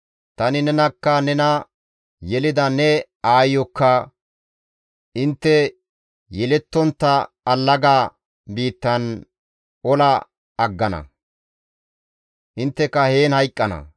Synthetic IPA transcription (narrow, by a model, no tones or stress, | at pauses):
t̪ɐnɪnɛnɐkːɐnɛnɐ | jɛlɪd̪ɐnɛ | aːjɔkːɐ | ʔɪnt̪ːɛ | jɛlɛt̪ːɔnt̪ːɐː | lːɐɡaː | biːt̪ːɐn | ɔlɐː | ɡːɐnɐ̰ | ʔɪnt̪ːɛkɐheːnhɐjkʼːɐnɐ̰